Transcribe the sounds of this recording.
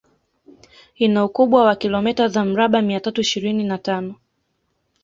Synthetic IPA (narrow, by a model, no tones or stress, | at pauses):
inaukuɓwawakilɔmɛtazam̩ɾaɓamiatatuiʃiɾininatanɔ